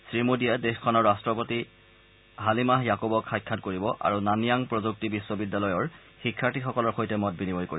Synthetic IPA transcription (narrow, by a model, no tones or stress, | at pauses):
sɹimodijadexkʰɔnɔɹːastɹɔpoti | ɦalimaɦjakobɔkxajkʰːatkoɹibɔʔa̰ɹunanijaŋpɹɔzuk̚tibiswɔbidːalɔjɔɹ | xikʰːaɹtixɔkɔlɔɹxojtɛmɔt̚binibʱɔjko̰iɔ